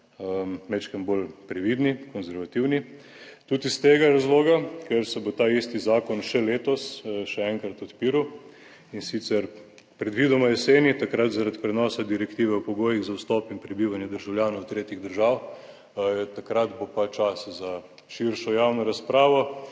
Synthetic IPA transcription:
əmɛt͡ʃkəmbolpɾɛʋiːd̪nikɔnzɛɾʋat̪iwni | t̪uːt̪ist̪eːɡaɾazloːɡakɛɾsɛbot̪aist̪izaːkɔnʃɛleːt̪ɔsʃɛɛŋkɾat̪ɔt̪piːɾu | insit̪sɛɾ | pɾɛd̪ʋiːd̪ɔmaɛseːnit̪akɾat̪zaɾad̪pɾɛnɔːsad̪iɾɛkt̪iːʋɛɔpɔɡoːjiɣzawst̪ɔːpinpɾɛbiːʋanjɛd̪əɾʒawljaːnowt̪ɾeːt̪iɣd̪əɾʒaːw | t̪akɾat̪bopat͡ʃaːsaza | ʃiɾʃɔjawnɔɾaspɾaːʋɔ

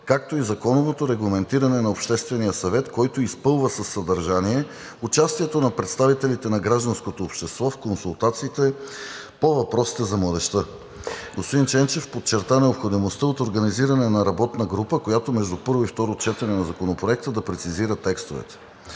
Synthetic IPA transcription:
kak̚t̪oizɐkɔnovot̪oɾɛɡlˠɐmɛnt̪iɾɐnɛnɐopʃt̪ɛst̪vɛnijəsɐvɛt̪kɔjt̪oispɤlˠvəsɐsːɐd̪ɐɾʒaniɛ | ʊt͡ʃast̪iɛt̪onɐpɾɛt̪st̪avit̪ɛlit̪ɛnɐɡɾaʒd̪ɐnskot̪oːpʃt̪ɛst̪vɔfkonsulˠt̪at̪siːt̪ɛ | povɐpɾɔsi̥t̪ɛzɐmlˠəd̪ɛʃt̪ə | ɡospod̪int͡ʃɛnt͡ʃɛfpot͡ʃːɛɾt̪anɛopxod̪imost̪əot̪oɾɡɐniziɾɐnɛnɐɾɐbɔt̪nəɡɾupəkojat̪omɛʒd̪upɤɾvoift̪ɔɾot͡ʃɛt̪ɛnɛnɐzɐkonopɾoɛk̚t̪əd̪ɐpɾɛt̪siziɾət̪ɛkst̪ovɛ̰t̪ɛ̥

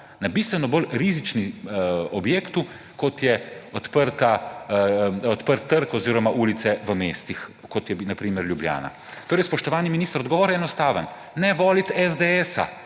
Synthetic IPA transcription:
nabist̪ʋɛnɔbolɾizit͡ʃniɔbjeːkt̪u | kɔt̪jɛɔt̪pəɾt̪a | ɔt̪pəɾt̪ːəɾkɔziːɾɔmaʔuːlit̪sɛʋəmeːst̪ixkɔt̪jɛnapɾiːməɾljublja̰ːna̰ | t̪oːɾɛjspɔʃt̪ɔʋaːniminiːst̪əɾɔd̪ɡɔʋɔːɾɛnɔst̪aːʋən | nɛʋɔːlit̪ɛzd̪eɛsa̰

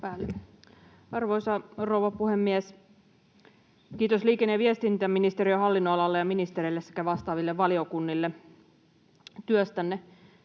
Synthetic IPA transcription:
pæːlːe | ɑrʋo̞jsɑrouʋɑpuhemːies | kiːt̪osliːkenːeʋiest̪int̪æminist̪eɾiøɦɑlːinːoɑlɑlːejɑminist̪eɾelːesːe̥kæʋɑst̪ɑːʋilːeʋʋɑlio̞kunːilːe | t̪yøst̪ænːe

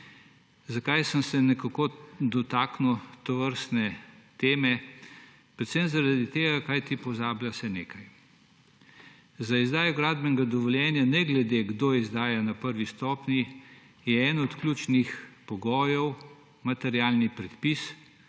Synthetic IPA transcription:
zakajsəmsɛnɛkakod̪ɔt̪aːknuwt̪ɔʋəɾst̪nɛt̪eːmɛ | pɾɛt̪semzaɾad̪it̪eːɡakajt̪ipɔzaːbljasɛnḛːkaj | zaizd̪aːjɔɡɾaːd̪bɛŋɡad̪ɔʋɔljɛːnjanɛɡlɛd̪eɡd̪oizd̪aːjanapəɾʋist̪ɔːpni | jɛɛːnɔt̪klʲuːt͡ʃnixpɔɡɔːjɔw | mat̪ɛɾjaːlnipɾɛt̪pis

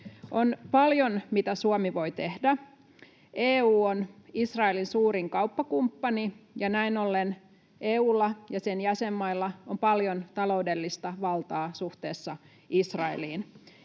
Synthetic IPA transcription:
ʔonpɑljonmit̪æsuomiʋo̞it̪ehdæ | eːuːonisrɑelinsuːɾiŋkɑupːɑkumpːɑnijɑnæinolːen | ʔeːuːlːɑjɑsenjæsemːɑilːɑompɑljont̪ɑloudelːist̪ɑʋɑlt̪ɑːsuht̪eːsːɑ | isrɑḛliːn

